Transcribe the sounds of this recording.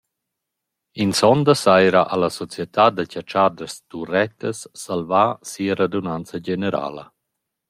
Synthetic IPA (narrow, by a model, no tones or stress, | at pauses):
insɔnd̪asajɾaʔalasɔt͡sjet̪ʰad̪acat͡ʃad̪əst̪urɛt̪əsːalvasiəɾad̪unant͡saɟeneɾa̰lə̰